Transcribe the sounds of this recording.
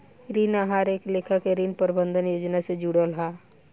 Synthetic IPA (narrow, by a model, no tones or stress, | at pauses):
ɾiːnaɦaːɾeːkleːkʰakeɾiːnpəɾɪbə̃nd̪ʱənjoːd͡ʒnased͡ʒuːɽəlɦaː